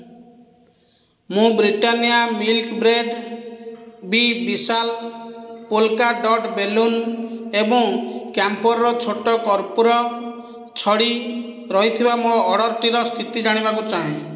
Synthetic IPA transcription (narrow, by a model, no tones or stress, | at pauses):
mũbɾiʈanijamilkbɾeɖ | bibisal | polkaɖɔʈbelunebɔŋkjampɔɾɾɔt͡ʃʰoʈɔkɔɾpuɾɔ | t͡ʃʰɔɽi | ɾɔɦit̪ʰibamoɾɔʔːɽɔɾʈiɾɔst̪ʰit̪id͡ʒaɽ̃ibakut͡ʃaɦĩ